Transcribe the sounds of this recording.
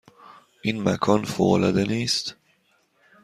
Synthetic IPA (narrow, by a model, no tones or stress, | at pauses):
ʔiːnmæ̰kʰɒːnfoːolɒ̰d̪eniːst̪